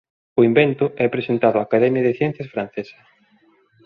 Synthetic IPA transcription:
ʊimbent̪ʊʔɛpɾesent̪aðʊaːkaðɛmjɐðɪθjɛ̃n̟θjɐsfɾan̟θesɐ̥

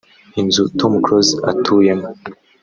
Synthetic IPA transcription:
hinzutʰomkɾozatʰujem

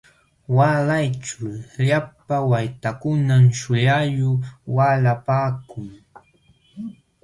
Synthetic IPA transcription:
walajt͡ʃʊlʎapawajt̪akʊnamʃʊjajʊwalapaːkʊŋ

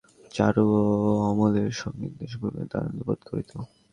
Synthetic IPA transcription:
t͡ɕaɾuɔmoleɾʃɔɡnḭɾd̪eʃ̬boɾbḛd̪a̰ɾo̰nt̪opod̪kʰoɾit̪ʰo

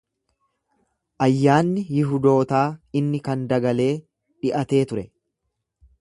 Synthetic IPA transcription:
ʔɐjːaːnːɪjɪɦʊd̪o̞ːt̪aːɪnːɪkɐnd̪ɐɡɐle̞ː | ᶑɪʔɐt̪e̞ːt̪ʊɾɛ

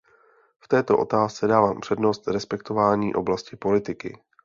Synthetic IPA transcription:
ft̪ɛːt̪o̞ʔo̞̰t̪aːst͡sɛdaːvaːmpr̥ɛdno̞st̪ɾɛspɛk̚t̪o̞vaːɲiːʔo̞blascɪpo̞lɪt̪ɪkɪ̰

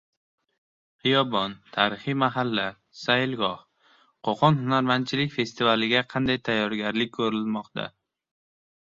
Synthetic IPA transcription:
hɨjɒbɒnt̪ʰaɾɪχimaɦalːa | saɪlɡɒh | qʰoqʰɒnɦʊnaɾman̚t͡ʃʰɪlɪkʲfe̞st̪ɪvalɪɡʲaqʰɑnd̪ajt̪ʰajːɒɾɡʲaɾlɪk̚ʲkʰːɵɾɪlmɒqt̪ʰa̰

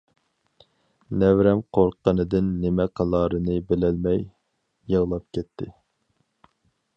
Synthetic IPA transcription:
nɛvɾɛmqʰoɾqːənɨd̪ɪnːɪmɛqʰɑlˠɑːɾɨnɨbɪlɛlmɛj | jəʁlˠɑp̚kʲʰɛt̪ʰːɪ̰

